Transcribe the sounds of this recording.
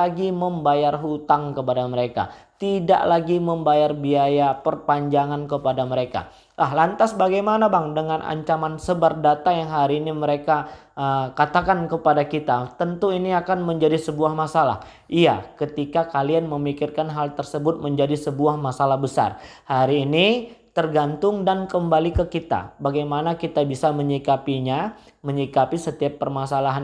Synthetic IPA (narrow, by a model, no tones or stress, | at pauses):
aɡiməmbajarɦut̪aŋkəpadaməɾeka̰t̪ida̰ʔlaɡiməmbajarbiajapərpaɲd͡ʒaŋank̬əpadaməɾeka̰ | lahlant̪asbaɡajmanabaŋdəŋanʔa̰ɲt͡ʃamansəbardat̪ajaŋɦaɾiːniməɾeka | əkat̪akankəpadakit̪at̪ənt̪uiniakanməɲd͡ʒadisəbuahmasala̰h | ʔija̰kət̪ikakalianməmikɪrkanɦalt̪ərsəbʊt̪̚məɲd͡ʒadisəbuahmasalahbəsa̰rhaɾiːnit̪ərɡant̪ʊŋdankəmbalikəkit̪a̰baɡajmanakit̪abisaməɲikapiɲa | məɲikapisət̪iapːərmasalaɦan